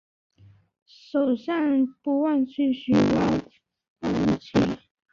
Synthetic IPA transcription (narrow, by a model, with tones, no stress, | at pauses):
ʂo˨˩ʊɕa˥˩npu˧˥wa˥˧nt͡ɕʰy˥˩ɕy˧˥wa˥˩ | a˥˩u˥˩t͡ɕʰḭ˥˩